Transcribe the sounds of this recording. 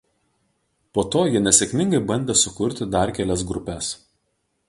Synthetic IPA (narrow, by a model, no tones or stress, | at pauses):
poːt̪oːjɪnʲɛsʲɛkʲmʲɪŋɡɐɪbɐnʲd̪ʲeːsʊkʊɾʲt̪ʲɪd̪ɐˑɾkʲælʲɛsɡɾʊpʲɛˑs